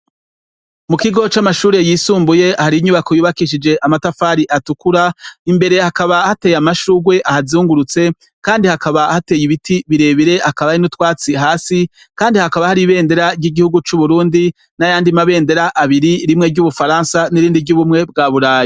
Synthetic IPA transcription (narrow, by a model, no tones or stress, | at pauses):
mukiɡo̞t͡ʃamaʃuːɾe̞jiːsuːmbuje̞ahaɾiɲuβakojuːβakiʃ̬id͡ʒe̞ʔamatafaːɾiʔatukuɾaimbe̞ɾe̞hakaβahate̞ːjamaʃuɡwe̞ʔahazuːŋɡuɾut͡se̞ | kaːndihakaβahate̞ːjiβitʰiβiɾe̞βiɾe̞ʔakaβajinutwaːt͡siɦaːsi | kaːndihakaβahaɾiβe̞ːnde̞ɾaɾɟiɡihuɡut͡ʃuβuɾuːndi | najaːndimaβe̞ːnde̞ɾaʔːβiɾiɾimŋe̞ɟuβufaɾaːnsaniɾiːndivɟuβumŋe̞b̚ɡaːβuɾaːji